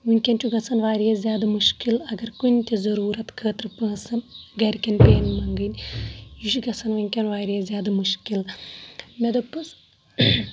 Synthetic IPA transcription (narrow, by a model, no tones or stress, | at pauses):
ʋuŋʲkʲɐnʲt͡ʃuɡɐsɐnʋaːɾijɐzʲaːd̪ɐmuʃkilɐɡɐɾkunʲt̪ʲizɐɾuːɾɐt̪kʰəːt̪ɾɨpɐːsɐmɡɐɾkʲɐnpʲeːnmɐŋɡɨnʲjuʃiɡɐsɐnʋɨŋʲkʲɐnʋaːɾijɐzʲjaːd̪ɐmuʃkil | mʲed̪ɐpːɨs